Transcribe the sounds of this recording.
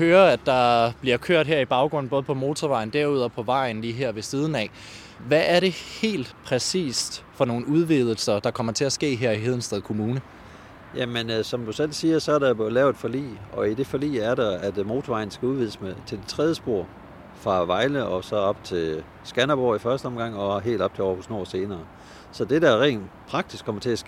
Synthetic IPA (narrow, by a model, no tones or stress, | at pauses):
høːɐæd̥ɑ̈b̥liɐkʰøɐ̰d̥ɦeɐ̰ib̥ɑ̈ʊɡ̥ʁɔ̽n̩b̥ɔ̽ːð̞̩ˠpʰɒ̽mo̝ːt͡sʰɒʋɑ̈ɪ̰n̩d̥æɐuð̞̰ˠɒpʰɒ̽ʋɑ̈ɪ̰n̩liːɦeɐ̰ʋe̝siːð̞ˠn̩ɛ̰ | ʋæʔːɐɾe̝he̝̰ːld̥pʰʁɛsḭːsd̥fɒ̽no̝ːn̩uð̞ˠʋiðˠl̩sɐd̥ɑ̈kʰɒ̽m̰ɐt͡sʰe̝æsɡ̥e̝̰ːɦeɐ̰iɦe̝ð̞̰ˠn̩sd̥ɛðˠkʰo̝muːnə | jæmensɒ̽md̥usel̰siːɐsɒ̽æɐɾejb̥olɛːʊð̥ˠfɒ̽lḭːɒ̽id̥e̝fɒlḭːæɐɾɑæd̥mo̝ːt͡sʰoʋɑ̈ɪ̰n̩sɡ̥æuð̞ˠʋið̞ˠəsmet͡sʰe̝ld̥e̥t͡sʰʁɛðˠəsb̥o̝ɐ̰ | fʁɑ̈ʋɑ̈ɪləʔɒ̽sɒ̽ɒ̽b̥t͡sʰe̝ | sɡ̥ænɐb̥oːifɶɐsd̥əɒ̽mɡ̥ɑ̈ŋ̰ɒ̽ɦe̝̰ːld̥ɒ̽b̥̚t͡sʰeɒ̰husno̝ɐ̰se̝ːnɐː | sɒ̽d̥e̝d̥æɐʁɛ̰ːnpʰʁɑ̈ɡ̥̚d̥isɡ̥kʰɒ̽m̰ɐt͡sʰe̝æsɡ̥e